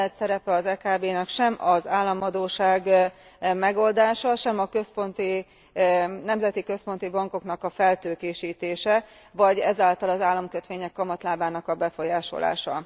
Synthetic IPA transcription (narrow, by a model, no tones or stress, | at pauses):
ɛt̪sɛɾɛpɛɒzɛːkaːbeːnɛkʃɛmɒzaːlːɒmɒd̪oːʃaːɡ | mɛɡo̞ld̪aːʃɒʃɛmɒkø̞spo̞nt̪i | nɛmzɛt̪ikø̞spo̞nt̪ibɒŋko̞knɒkɒfɛlt̪øːkeːʃiːt̪eːʃɛ | vɒɟɛ̰zaːlt̪ɒlɒzaːlːɒmkø̞t̪ʋeːɲɛkːɒmɒt̪laːbaːnɒkɒbɛfo̞jaːʃo̞̰la̰ːʃɒ̰